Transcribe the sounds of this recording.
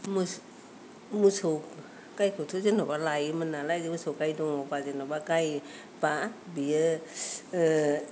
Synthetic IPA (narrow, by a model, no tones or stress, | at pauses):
mu | musow | kajkʰɯtʰozɯnɔbalajɯmɯnːalajzɯmusowkajdɔŋɔpazɯnɔbakaj | pabiə